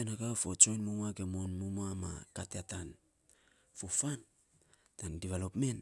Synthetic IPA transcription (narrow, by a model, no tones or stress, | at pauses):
tenaɡafo̞t͡ʃo̞jnmumaɡemonmumama̰kateatan | fofan | tandiβalopme̞n